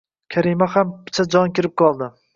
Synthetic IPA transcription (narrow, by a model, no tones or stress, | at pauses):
kʲʰaɾimahampʰɪ̥t͡ʃʰad͡ʒɒnkʲɪɾɪp̚qʰɒlˠd̪ɪ